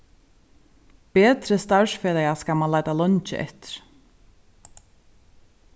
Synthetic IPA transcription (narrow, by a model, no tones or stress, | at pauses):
peːt̪ɾəst̪aʃfɛːlɛaskamanlajt̪alœnt͡ʃɪ̰ʔɛ̰ht̪ɪ̥ɾ̥